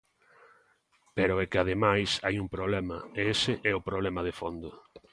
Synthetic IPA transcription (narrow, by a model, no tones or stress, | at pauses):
peɾʊɛkɪað̞emajsajuŋpɾoβlɛmɐeesɪʔɛʊpɾoβlɛmɐðefond̪ʊ